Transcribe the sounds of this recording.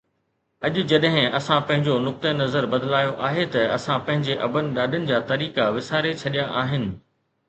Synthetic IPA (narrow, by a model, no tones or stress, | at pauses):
ɐʄʊ̆d͡ʑɐɗɦɪ̃ɐsãpɐ̃ɦɪ̃ɲd͡ʑonʊk̚t̪ənɐzəɾbɐd̪laːjoʔaːɦet̪ɐɐsãpɐ̃ɦɪ̃ɲd͡ʑeʔɐbənɪ̆ɗaːɗɪənɪ̆d͡ʑaːt̪ɐɾiːkaʋɪsaːɾet͡ɕʰɐɗijaʔaːɦɪnɪ̆